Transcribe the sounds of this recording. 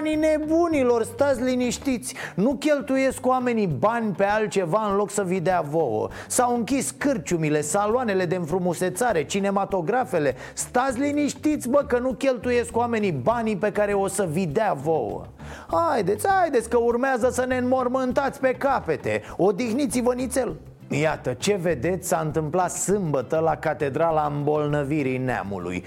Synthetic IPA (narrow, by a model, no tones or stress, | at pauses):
nine̞bunilo̞rst̪at̪sʲliniʃt̪it̪sʲnukʲe̞lt̪uje̞skwame̞nibanʲpealt̪̚t͡ʃe̞vaɨnlo̞ksəvid̪eavo̞wə̰ | sawɨŋkʲiskɨrt͡ʃumile̞saloane̞le̞d̪eɨnfɾumuse̞t̪saɾe̞t͡ʃine̞mat̪o̞ɡɾafe̞le̞ | st̪at̪sʲliniʃt̪it̪sʲvəkənukʲe̞lt̪uje̞skwame̞nibanipe̞kaɾe̞o̞səvid̪eavo̞wə̰ | hajd̪e̞t̪sʲhajd̪e̞t̪sʲkəurmeazəsəne̞nmo̞rmɨnt̪at̪sʲpe̞kape̞t̪e̞̰o̞d̪ixnit̪sivənit̪se̞l | jat̪ət͡ʃe̞ve̞d̪e̞t̪sʲsaɨnt̪ɨmplat̪sɨmbət̪əlakat̪e̞d̪ɾalaɨmbo̞lnəviɾinea̰mṵlṵj